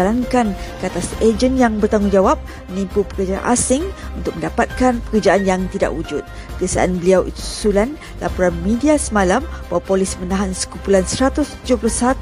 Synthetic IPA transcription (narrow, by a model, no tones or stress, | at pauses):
alankankəat̪ased͡ʒənjaŋbərt̪aŋuŋd͡ʒawap̚ | mə̃nĩmpupə̥kərd͡ʒa̰nʔa̰sɪŋunt̪ʊk̚mə̃ndapat̪̚kanpə̥kərd͡ʒaʔanjaŋt̪ida̰ʔwud͡ʒʊt̪̚ | kəasa̰ʔanbəliawʔḭt̪u̥sulan | lapɔɾanmĩdiasəmalambawapolismənãɦansə̥kupulansəɾat̪ʊst̪ud͡ʒʊplusat̪